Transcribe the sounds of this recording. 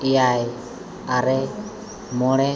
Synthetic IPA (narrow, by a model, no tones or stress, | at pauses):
ijaj | aɾɛ | mɔɽɛ